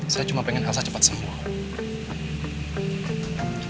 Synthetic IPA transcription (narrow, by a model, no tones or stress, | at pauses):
sajat͡ʃumapɛŋɛnɦalsat͡ʃəpat̪səmua